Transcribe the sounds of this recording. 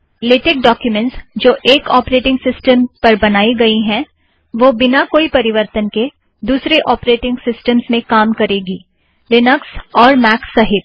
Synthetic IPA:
lɪːʈɪk̚ɖɔːkjumɛ̃ɳʈsd͡ʒoːʔeːkɔ̰ːpɾeːʈɪ̃ŋɡsɪsʈəmpɐɾbɐnaːiɡɐiɦɛ̃ | ʋoːbɪnakoːipɐɾɪʋəɾt̪ənke | d̪uːsɾeʔɔːpɾeːʈɪ̃ŋɡsɪsʈəmsmẽkaːmkɐɾeːɡiː | lɪnəksɔːɾmɛːksɐɦɪt̪̚

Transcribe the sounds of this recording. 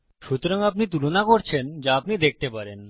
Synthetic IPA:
ʃut̪oɾaŋapnit̪̬ulonakoɾt͡ɕʰend͡ʑaapnid̪ek̚ʰt̪epaɾen

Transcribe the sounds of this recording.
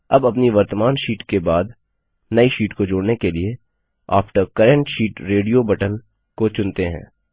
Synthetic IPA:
ɐbɐpniʋɐɾt̪əmaːnʃiːʈkebaːd̪ | nɐiʃiːʈkod͡ʒoːɽnekelie | a̰ːpʰʈəɾkɐɾə̃ɳʈʃiːʈɾeːɖijobɐʈən | kot͡ʃʊ̃nt̪eɦɛ̰̃ː

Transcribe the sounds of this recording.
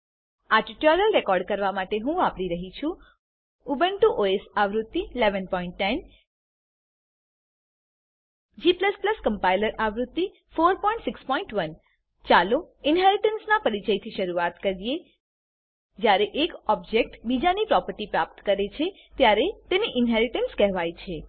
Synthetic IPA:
aɾʈiʈɔɾəlɾekɔɾɖkəɾʋamaʈeɦũapɽiɾəɦit͡ʃʰũ | ubəɳʈuʔoesaʋɾut̪ːileʋənpɔiɳʈːɛn | d͡ʒipləspləskəmpailəɾʔaʋɾut̪ːi | foɾpɔĩɳʈsɪkspɔiɳʈʋən | t͡ʃalo | ɪnɦɛɾɪʈənsnapəɾit͡ʃəjt̪ʰiʃəɾuat̪kəɾije | d͡ʒjaɾeʔekɔb̚d͡ʒek̚ʈbid͡ʒanipɾɔpəɾʈipɾap̚t̪kəɾet͡ʃʰe | t̪jaɾet̪eniʔɪnɦɛɾɪʈənskɛɦʋajt͡ʃʰe

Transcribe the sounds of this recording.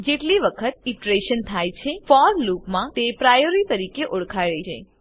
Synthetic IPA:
d͡ʒeʈliʋəkʰət̪̚iʈɾeʃənt̪ʰajt͡ʃʰefɔɾlupmãt̪epɾajoɾit̪əɾikeʔoɽkʰajɭəid͡ʒḛ

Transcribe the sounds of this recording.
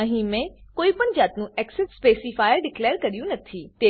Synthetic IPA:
ə̃ɦĩmẽkoːipəɳ̃zaːt̪nũɛːksɪʈspeːsifaːjəɾɖɪkleːɾkɐɾijũnɐt̪ʰit̪eː

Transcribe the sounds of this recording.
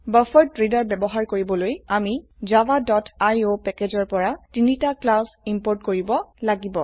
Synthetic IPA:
bəfʰɔɹ̚tɹedɔɹbɛbɔɦaɹkoɹibɔlojamizawadɔtajopɛkezɔɹpɔɹatinitaklasimpoɹtkoɹibɔlaɡibɔ

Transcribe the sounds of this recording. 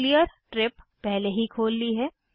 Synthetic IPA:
lijəɾʈɾɪpːɛɦleɦikʰoːlːiɦɛː

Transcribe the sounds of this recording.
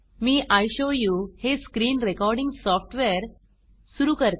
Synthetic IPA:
miːʔajɕojuːheskɾiːnɾekɔɾɖĩŋɡsɔfʈʋeəɾ | suɾukəɾt̪

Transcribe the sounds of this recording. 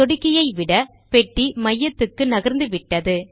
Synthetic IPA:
ɔɽɪkːɪjɐɪʋɪɽɐ | pɛʈːimɐjːɐt̪ːɯkːɯnɐɣɐɾnd̪ɯʋɪʈːɐðɯ

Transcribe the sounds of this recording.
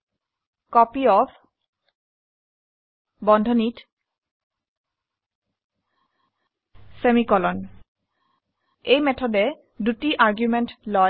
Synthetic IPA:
kɔpiɔpʰ | bɔndʱɔnit | semikɔlɔn | ejmɛtʰɔdɛ | dutiʔaɹɡjumentlɔ

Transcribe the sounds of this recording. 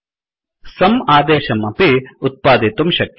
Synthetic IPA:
sɐmaːd̪eːʃɐmɐpiut̪̚paːd̪it̪umʃɐkː

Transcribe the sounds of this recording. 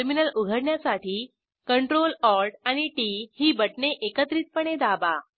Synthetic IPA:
ɾminəluɡʱəɽɳjasaʈʰiː | kəɳʈɾolɔɾʈañiʈihiːbəʈɳeʔekət̪ɾiːt̪̚pəɽ̃ed̪aba

